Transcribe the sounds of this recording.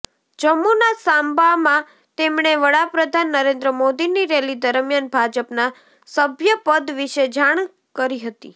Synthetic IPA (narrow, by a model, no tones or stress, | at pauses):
d͡ʒəmːunasambamã | t̪emɳ̃eʋəɽapɾəd̪ʱanːəɾẽnd̪ɾəmod̪iniɾelid̪əɾmjanbʱad͡ʒəpna | səbʱjəpəd̪ʋiʃed͡ʒaɳ̃ | kəɾiɦət̪ḭ